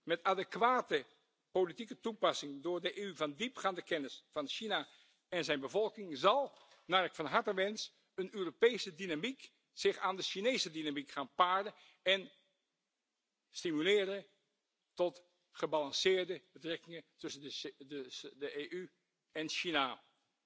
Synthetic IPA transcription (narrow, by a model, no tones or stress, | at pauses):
mɛtadəkʋaːtə | politikətupɑsɪŋdʊːɹdəʔeyvɑndipχaːndəkɛnɪsfɑnʃina | ɛnzɛjnbəvɔlˠkɪŋzɑlˠ | naɹəkfɑnɦɑɹtəʋɛns | ənøːropejsədinamik | z̥ɪχaːndəʃinejsədinamikχaːnpaːɹdən | ɛn | stimylɪːɾə | tɔt | χəbalɑnsɪːɹdəb̥ətrɛkɪŋətɵsən | dəʔeʔy | ɛnʃina